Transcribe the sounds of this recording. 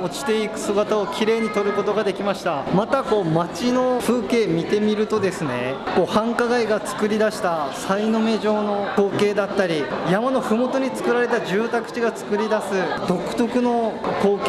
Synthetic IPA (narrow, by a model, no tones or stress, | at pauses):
o̞t͡ɕi̥t̪e̞ikɯ̟̥sɨɡat̪aokʲiɾe̞ːɲ̟it̪o̞ɾɯ̟ko̞t̪o̞ɡad̪e̞kʲimaɕi̥t̪amat̪ako̞ːmat͡ɕino̞ɸɯ̟ːke̞ːmʲit̪e̞mʲiɾɯ̟t̪o̞d̪e̞sɨne̞̰ko̞ːhãŋkaɡaiɡat͡sɨ̥kɯ̟ɾʲid̪aɕi̥t̪asaino̞me̞ʑo̞ːno̞ko̞ːke̞ːd̪at̪ːaɾʲijamano̞ɸɯ̟mo̞t̪o̞ɲ̟it͡sɨ̥kɯ̟ɾaɾe̞t̪aʑɨːt̪akɯ̟̥t͡ɕiɡat͡sɨ̥kɯ̟ɾʲid̪asɨd̪̥o̞kɯ̟̥t̪o̞kɯ̟no̞ko̞ːk